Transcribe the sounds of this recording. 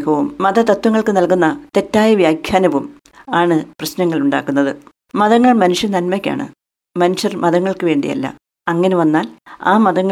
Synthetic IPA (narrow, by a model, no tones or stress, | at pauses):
kɐʋumːɐðɐt̪ɐt̪wɐŋːɐɭkɨnɐlkunːɐt̪e̞tːaːjɐʋjaːkʰjaːnɐʋum | aːɳɨprɐɕnɐŋːɐɭuɳɖaːkːunːɐðɨ | mɐðɐŋːɐɭmɐnuʂɐnɐnmɐkʲːa̰ːɳɨ̰ | mɐnuʂjɐrmɐðɐŋːɐɭkɨʋe̞ːɳɖḭjɐ̰lːɐ̰ | ɐŋːɐneʋɐnːaːla̰ːmɐðɐŋː